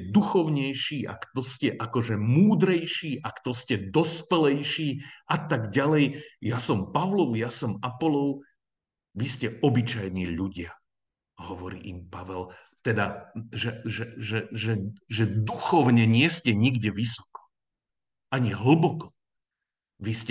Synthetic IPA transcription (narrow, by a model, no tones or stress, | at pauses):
ɛd̪uxɔʊɲɛjʃiːʔa̰kt̪ɔscɛʔakɔʒɛmuːd̪ɾɛjʃiːʔakt̪ɔscɛd̪ɔspɛlɛjʃiːʔat̪aɡɟalɛjjasɔmpaʋlɔʊjasɔmapɔlɔʊ | ʋiscɛɔbit͡ʃajniːʎuɟɪa | ɦɔʋɔɾḭːʔimpaʋɛl | t̪ɛd̪aʒɛʒɛʒɛʒɛʒɛd̪uxɔʊɲɛɲɪɛscɛɲiɡɟɛʋisɔ̥kɔ̥ | ʔaɲiɦl̩bɔkɔ̥ | ʋiscɛ